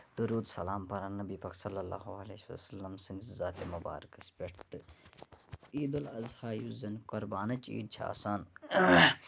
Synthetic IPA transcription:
d̪uɾuːd̪sɐ̰laːmpɐɾannːɐbipɐk̪sɐlːɐlːa̰ːɦuɐlessɐlːɐmsɪnzaːt̪emɐba̰ːɾɐkɐspʲeʈʰt̪ɨ | iːd̪ɐlɐzhaːjuzɐnkoɾbaːnɐt͡ʃḭːd̪̚t͡ʃʰɐ̰a̰ːsaːn

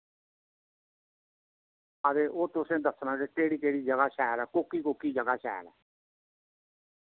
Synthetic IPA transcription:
əd̪eːʔoːt̪ʊsẽːd̪əsnãːkekeːɽiːkeːɽiːd͡ʒəɡaːʃɛːɾɛːkoːkiːkoːkiːd͡ʒəɡaːʃɛ̰ːɾɛ̰ː

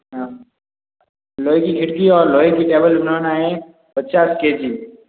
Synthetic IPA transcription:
loikiɡʱiʈɡiɔːɾloːikiʈebəlbənanaẽ | pət̪ːt͡ʃasked͡ʒiː

